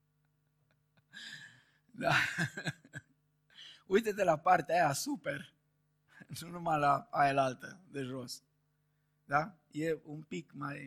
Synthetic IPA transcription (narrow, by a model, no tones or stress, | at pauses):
d̪a | ujt̪et̪elapart̪eajasuper | nunumalaaelalt̪əd̪eʒo̞s | d̪a | jeumpikmaj